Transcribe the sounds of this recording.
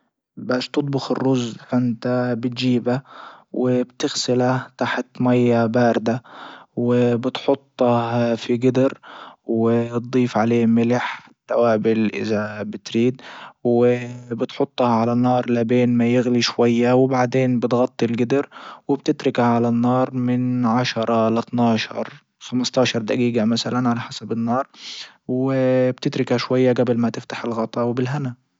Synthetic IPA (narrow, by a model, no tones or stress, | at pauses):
baːʃt̪ɨt̪̚ˤbʊxɪ̰rːʊzfɪnt̪abɪt̪ʒiːbawɪbt̪ɪɣsɪlaht̪aħt̪majːabaːɾd̪awɪbɪt̪ħʊt̪ˤːɑhfiɡɪd̪ɪɾwɪt̪̚d̪ˤiːfʕaleːmɪlɪħɪt̪ːawaːbɪlʔɪ̰ðabɪt̪ɾiːd̪wɪbɪt̪ħʊt̪ˤːɑhʕalanːɑːɾˤlabeːnmajɪɣliʃwajːawɪbaʕd̪eːnbɪt̪ɣɑt̪ˤːilɡɪd̪ɪɾwɪbt̪ɪt̪ɾɪkaʕalanːɑːɾˤmɪnʕaʃɑɾˤɑlat̪nɑːʃɑ̰ɾˤ | xamɑst̪ˤɑːʃɑɾˤd̪aɡiːɡamasalanʕalaħasabɪnːɑːɾˤ | wɪb̥̚t̪ɪt̪ɾɪkhaʃwajːaɡabɪlmat̪ɪft̪ḁħɪlɣɑt̪ˤːɑwbɪlɦana